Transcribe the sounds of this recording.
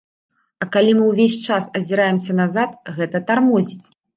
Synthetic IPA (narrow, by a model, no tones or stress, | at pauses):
ɐkalʲimɨwvʲesʲt͡ʂasɐzʲiɾajɛmsʲɐnazat̪ɣɛt̪ɐt̪armɔzʲit͡sʲ